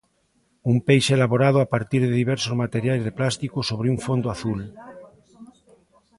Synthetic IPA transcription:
umpejʃeelaβoɾaðoapaɾt̪iɾðeðiβɛɾsozmat̪eɾjajzðeplast̪ikosoβ̞ɾeuŋfond̪oaθul

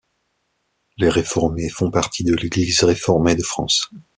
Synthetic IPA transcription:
leʁefɔʁmefɔ̃paʁt̪ʰid̪əleɡlizʁefɔʁmed̪əfχɑ̰̃s

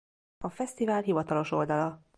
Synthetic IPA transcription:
ɒfɛst̪ivaːlɦivɒt̪ɒlo̞ʃo̞ld̪ɒlɒ

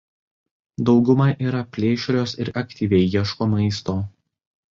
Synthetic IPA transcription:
d̪ɒʊɡʊmɐʔiːɾɐpʲlʲeːʃʲɾʲoːsɪɾʔɐkʲt̪ʲiːʋʲɛɪjɛʃkoːmɐɪst̪oː

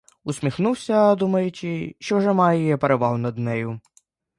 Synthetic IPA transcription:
ʊsʲmʲixnuwsʲɐd̪umɐjʊt͡ʃɪʃt͡ʃɔwʒɛmɑjɛjɛpeɾeʋɑlˠnɐd̪nɛjʊ

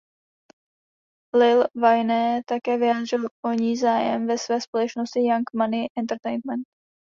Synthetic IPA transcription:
lɪlvajnɛt̪akɛːvɪjaːd̪r̝ɪloɲiːzaːjɛ̰mvɛsvɛːspo̞lɛt͡ʃno̞scɪjaŋkmanɪʔɛnt̪ɛɾt̪ɛjnmɛnt̪̚

